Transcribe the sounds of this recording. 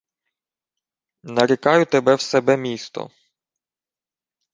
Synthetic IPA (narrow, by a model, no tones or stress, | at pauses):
nɐɾʲɪkɑjʊt̪ebɛwsɛbɛmʲist̪ɔ̰